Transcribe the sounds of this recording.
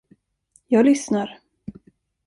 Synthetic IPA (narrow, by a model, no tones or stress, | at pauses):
jɑːɡlʏsnaɾ